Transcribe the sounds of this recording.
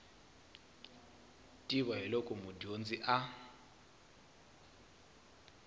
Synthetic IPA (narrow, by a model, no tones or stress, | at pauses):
tʼiβaɦilɔkʼɔmudond͡ziʔa